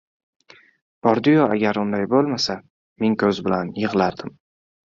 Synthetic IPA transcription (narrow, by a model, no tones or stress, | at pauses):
b̥ɒɾd̪ɪjɒaɡʲaɾʊnd̪ajbolˠmasa | me̞ŋkʲʰɵzbɪlanjɨʁlˠaɾd̪ɪm